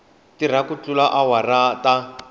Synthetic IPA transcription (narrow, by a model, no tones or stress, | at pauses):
tiɾ̤akut͡ɬulaʔawarata